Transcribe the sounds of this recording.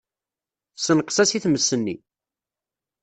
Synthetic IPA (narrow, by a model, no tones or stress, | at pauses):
sːənqsæsiθməsːənːḭ